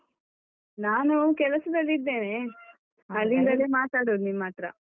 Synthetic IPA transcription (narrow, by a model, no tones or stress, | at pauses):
naːnukɛlɐsɐd̪ɐlːid̪ːe̞ːne | ɐlːind̪ɐleːmaːt̪aːɽoːd̪nimːaːʈɾɐ̰